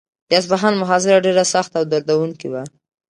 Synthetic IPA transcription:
jɑs̬baɦanmʊɦɑzɪɾaɖeɾasaxt̪awd̪aɾd̪awuŋkiwa

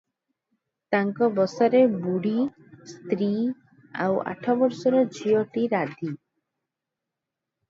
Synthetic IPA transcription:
t̪aŋkɔbɔsaɾebuɽi | st̪ɾi | a̰wa̰ʈʰɔbɔɾsɔɾɔd͡ʒʱiɔʈiɾad̪ʱi

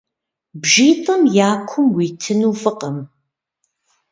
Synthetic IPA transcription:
bʒiːtʼɐmjaːkʷʰʊmwiːtʰɨnuːfɨqəm

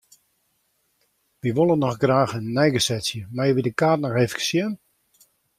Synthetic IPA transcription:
ʋiʋolˠənːɔxɡraːxənːɛjɡəsɛsjəmajəʋidəkaːtnɔxeːfə̥kə̥sjən

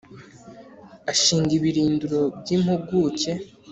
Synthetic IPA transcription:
aʃiːɲɡiβiɾiːnduɾo̞bɟiːm̥huɡuːce̞

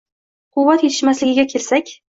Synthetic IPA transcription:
qʰʊwːat̪je̞t̪ʰɪ̥ʃmaslɪɡʲɪɡʲakʲʰelsakʲ

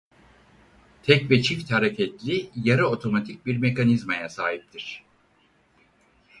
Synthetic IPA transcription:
t̪ʰɛcvɛt͡ʃʰift̪haɾecʰɛt̪lʲijaɾɯot̪ʰo̞mat̪ʰic̚biɾmekanizmajasaːɦip̚t̪ʰiɾ̝̥

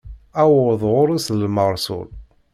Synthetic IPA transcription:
æwðˤʁʊɾˤislməɾˤsʊ̰l

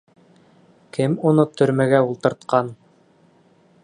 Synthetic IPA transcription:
kɘmunɤt̪ʰɵ̆ɾmæɡæulˠt̪ɤ̆ɾt̪qɑn

